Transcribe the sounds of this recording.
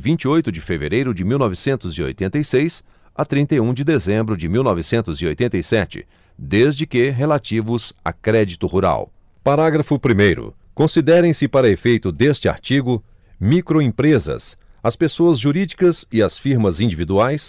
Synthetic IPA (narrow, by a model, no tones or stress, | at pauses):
vĩnt͡ʃiojt̪ʊd͡ʒɪfevḛɾejɾʊd͡ʒɪmiwnɔvɪsẽnt̪ʊzio̰jt̪ẽnt̪ɐjsejs | at̪ɾĩnt̪ejũd͡ʒɪd̪ezẽmbɾʊd͡ʒɪmiwnɔvɪsẽnt̪ʊzio̰jt̪ẽt̪ejsɛt͡ʃɪ̰ | d̪ezd͡ʒɪkɪɦelat͡ʃivʊza̰kɾɛd͡ʒit̪ʊhuɾa̰w | paɾaɡɾɐfʊpɾimejɾʊ̰ | kõsid̪ɛɾẽj̃sɪpaɾɐefejt̪ʊd̪est͡ʃɪa̰ɾt͡ʃiɡʊ | mikɾoĩpɾezɐ̰s | ɐspesoɐzʒuɾid͡ʒikɐsɪɐsfiɾmɐzĩnd͡ʒivid̪uajs